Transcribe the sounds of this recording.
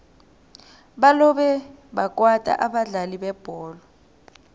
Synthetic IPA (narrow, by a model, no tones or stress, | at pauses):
ɓalɔɓɛ | ɓakʼwatʼa̰ʔaɓaɮaliɓɛb̥ʱɔːlɔ